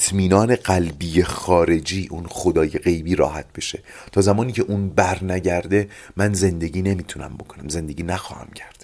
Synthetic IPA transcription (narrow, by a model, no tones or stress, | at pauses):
t̪ʰmiːnɒːne̞ɢælbijexɒːɾe̞d͡ʒiːʔunxo̞d̪ɒːjeɣe̞jbiːɾɒ̰ːhæt̪̚ʰbe̞ʃe̞ | t̪ʰɒːzæmɒːniːcʰe̞ʔunbæɾnæɟæɾd̪e̞ | mænze̞nd̪e̞ɟiːne̞miːt̪ʰunæ̰mbo̞kʰo̞næmze̞nd̪e̞ɟiːnæxɒ̰ːhæ̰mcʰæɾd̪̥